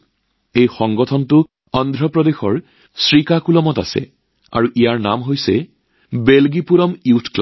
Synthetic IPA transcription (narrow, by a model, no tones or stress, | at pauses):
ejxɔŋɡɔtʰɔntʊ | ɔndʱɹɔpɹɔdexɔɹ | sɹikakulɔmɔta̰sɛ̰ | a̰ɹuʔijaɹnamɦojsɛ | belɡipuɹɔmiwtʰkl